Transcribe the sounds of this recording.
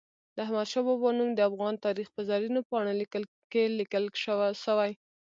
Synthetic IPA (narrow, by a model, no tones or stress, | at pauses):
d̪əahmad̪ʃɑbɑbɑnumd̪əafɣɑnt̪ɑɾixpəzɑɾinopɑɽ̃oləl | kelikəlʃəwaʃawaj